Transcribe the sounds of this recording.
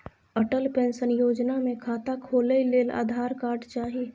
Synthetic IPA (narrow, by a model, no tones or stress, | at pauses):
əʈəlpẽːnsənjoːd͡ʒnamẽkʰaːt̪akʰoːləileːla̰ːd̪ʱaːɾkaːɾɖt͡ʃaːɦie